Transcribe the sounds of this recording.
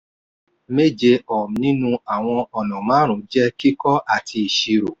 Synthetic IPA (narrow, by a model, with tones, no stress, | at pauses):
me˦˨d͡ʒe˧ɔ˨m̩˨nĩ˦nũ˦a˨w̃ɔ̃˧ɔ˨nɔ̃˨mãː˨˦ɾ̃ũ˨˦d͡ʒɛ˦ki˦kɔ˦ʔa˦˨tʰi˧i˨ʃi˨˧ɾo˨